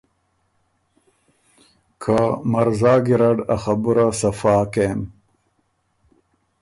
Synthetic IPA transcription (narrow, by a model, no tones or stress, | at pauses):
kʰamɐɾzaːɡiɾɐɖaxɐbuɾasɐfaːken